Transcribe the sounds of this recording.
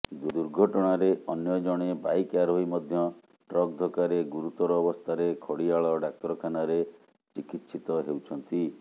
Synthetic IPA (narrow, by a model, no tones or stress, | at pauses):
d̪ud̪uɾɡʱɔʈɔɽ̃aɾeɔnjɔd͡ʒɔɽ̃ebajkaɾɦojmɔd̪ʱjɔ | ʈɾɔk̚d̪ʱɔkaɾeɡuɾut̪ɔɾɔːbɔst̪ʰaɾekʰɔɽiaɭɔɖak̚t̪ɔɾɔkʰanaɾe | t͡ʃikit̪ːsʰit̪ɔɦewt͡ʃʰɔnt̪i